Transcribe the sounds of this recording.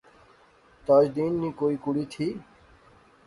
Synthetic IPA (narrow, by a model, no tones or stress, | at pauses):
t̪aːd͡ʒd̪iːnːiːkoːiːkuɽiːt̪ʰiː